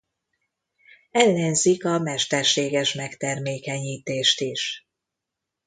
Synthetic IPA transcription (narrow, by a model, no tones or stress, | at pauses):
ɛlːɛnzikɒmɛʃt̪ɛrʃeːɡɛʃmɛkt̪ɛrmeːkɛɲiːt̪eːʃt̪iʃ